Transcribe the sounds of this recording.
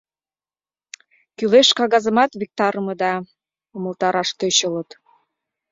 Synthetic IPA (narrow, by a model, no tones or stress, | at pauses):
kyleʃkɑɣɑzə̆mɑt̪vʲik̚t̪ɑɾəmɤ̆d̪ɑ | omə̆lt̪ɑɾɑʃt̪øɕɤ̆lɤ̆t̪